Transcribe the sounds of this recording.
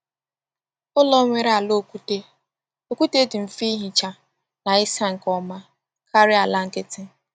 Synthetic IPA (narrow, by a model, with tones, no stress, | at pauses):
ʊ˦lɔ˦ŋʷe˦ɾa˨lo˦˨ku˦te˦ | o˦˨ku˦te˦dɪ˨m̩˨fi˦ɦi˨t͡ʃa˨ | na˨ɪ˦sa˦ŋ̩˨kɔ˦ma˦ | kʰa˦ɾɪ˦a˨la˦ŋ̩˨ke˦tɪ˦